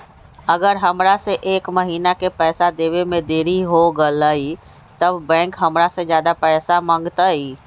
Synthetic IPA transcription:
əɡəɾɦəmɾasẽʔeːkməɦiːnakepɛːsad̪eʋemẽd̪eːɾiɦoɡələi | t̪əbbɛ̃ːŋkɦəmɾasə̃d͡ʒjad̪apɛːsamə̃ŋɡt̪əi

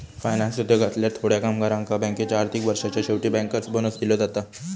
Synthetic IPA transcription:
fajnansud̪ʱjoɡʱat̪ljaɾt̪ʰoɽjakamɡaɾãŋkabɛ̃ŋket͡ɕjaːɾt̪ʰikʋəɾʂat͡ɕjaɕeʋʈiːbɛ̃ŋkəɾt͡sbənəsd̪iləd͡zat̪a

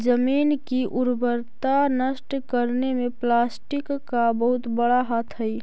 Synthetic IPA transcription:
d͡ʒəmiːnkiʔʊɾbəɾt̪anəsʈkəɾnemẽplaːsʈɪkːabəɦʊt̪bəɽaɦat̪ʰɦəi

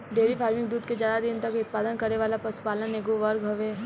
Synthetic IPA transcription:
ɖeːɾipʰaːɾmɪ̃ŋk̚d̪uːd̪ked͡ʒjaːd̪ad̪ɪnt̪ɐkʊt̪̚paːd̪ənkɐɾeʋaːlapɐsu̥paːləneːɡoʋɐɾɡɦɐʋeː

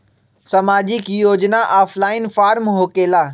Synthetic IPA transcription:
sɐmaːd͡ʑɪkjoːd͡ʑnaʔaːfʰlaːɪnfaːɾmɦoːkeːlaː

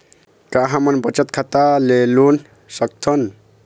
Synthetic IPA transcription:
kaɦamʌnbʌt͡ʃʌt̪kʰat̪alelun | sʌk̚t̪ʰʌn

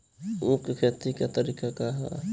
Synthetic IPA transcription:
ukkʰeːt̪ikat̪ɐɾiːkakaɦa

